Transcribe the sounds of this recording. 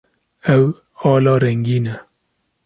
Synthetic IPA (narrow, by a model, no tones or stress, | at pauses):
ɛw | ɑːlɑːɾɛŋɡiːnɛ